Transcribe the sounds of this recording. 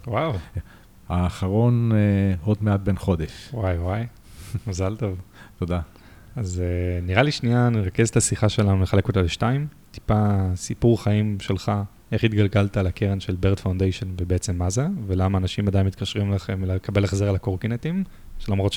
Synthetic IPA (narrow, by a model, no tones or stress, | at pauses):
waw | aːχaʁo̞nod̪meat̪̚benχo̞d̪eʃwajwaj | mazalt̪ovt̪od̪a | azeniʁaliʃnianiʁakezet̪asiχaʃe̞lanule̞χale̞kot̪aleʃtaim | t̪i̥pasipuʁχaimʃe̞lχa | e̞χit̪ɡalɡalt̪alakʰeʁenʃelbeʁd̪fawnd̪ejʃo̞nvebeet͡se̞mːazevelamaːnaʃimad̪ajinmit̪kaʃʁimlaχemleekʰabelaχzeʁalakoʁkinet̪im | ʃelamʁo̞t̪